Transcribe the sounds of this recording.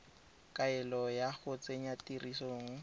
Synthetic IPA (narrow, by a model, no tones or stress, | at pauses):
kʼaɪlɔjaɣʊt͡sʼeɲatirisoːŋ̩